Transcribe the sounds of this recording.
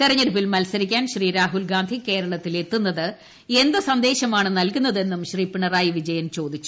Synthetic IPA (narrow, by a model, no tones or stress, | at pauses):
t̪irɐɲːɐɾupilmɐlsɐɾikʲːaːnɕriːɾaːɦulɡaːnd̪ʱike̞ːɾɐɭɐt̪ːile̞t̪ːunːɐðɨ | e̞nd̪ɨsɐnd̪e̞ːɕɐmaːɳɨnɐlkunːɐðe̞nːumɕriːpiɳɐraːjiʋid͡ʑɐjɐnt͡ɕo̞ːd̪it͡ɕːu̥